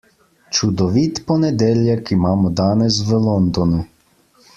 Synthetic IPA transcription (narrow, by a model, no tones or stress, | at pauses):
t͡ʃud̪ɔʋiːt̪pɔnɛd̪eːljakimaːmɔd̪aːnɛs̬ʋəlɔnd̪ɔnu